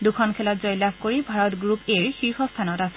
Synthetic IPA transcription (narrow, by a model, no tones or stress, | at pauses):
dukʰɔnkʰɛlɔtzɔjlabkoɹibʱaɹɔtɡɹupeɹixiɹxɔstʰanɔtasɛ̥